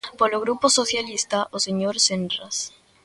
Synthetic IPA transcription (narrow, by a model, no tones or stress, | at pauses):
poloɣɾuposoθjalist̪aʔoseɲoɾsenras